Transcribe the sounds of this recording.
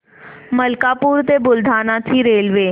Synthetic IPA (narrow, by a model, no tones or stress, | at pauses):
məlkaːpuːɾt̪eːbʊld̪ʱaːnãːt̪ʰiːɾeːlʋeː